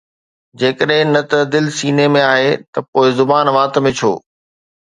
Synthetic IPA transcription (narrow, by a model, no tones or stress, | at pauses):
d͡ʑeːkəɗɦɪ̃nɐt̪əd̪ɪlsiːnemẽaːɦet̪ɐpoːɪzʊbaːnʋaːt̪mẽt͡ɕʰo̰ː